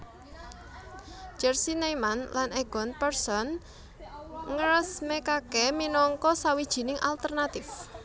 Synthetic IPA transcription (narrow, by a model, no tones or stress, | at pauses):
d͡ʒ̥ɛrsinamanlanɛɡ̥ɔnpɛrsɔn | ŋəɾəsmekakɛminɔŋkɔsawid̥ʒ̥i̤nɪŋʔa̰lt̪ərnat̪ɪf